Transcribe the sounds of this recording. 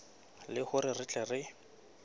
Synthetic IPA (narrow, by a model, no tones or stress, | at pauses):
lɪhʊrɪrɪt͡ɬʼɛrɪ